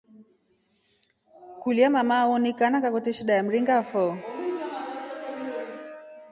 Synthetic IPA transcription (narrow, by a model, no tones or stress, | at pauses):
kuliamamaɔnikanakakɔtiʃiɗajam̩ɾiŋɡafɔ